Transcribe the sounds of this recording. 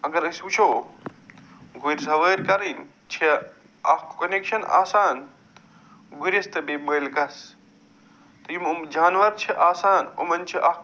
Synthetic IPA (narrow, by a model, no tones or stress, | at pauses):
ɐɡɐɾɐsut͡ʃʰoː | ɡʱuɾʲsɐʋəːɾʲkɐɾin | t͡ʃʰe | ɐkɐnekʃɐna̰ːsaːn | ɡuɾɐst̪ɐbebəːlɡɐs | t̪ɐjimumd͡ʒaːnʋɐɾt͡ʃʰiʔaːsaːnṵmɐnt͡ʃʰiʔɐ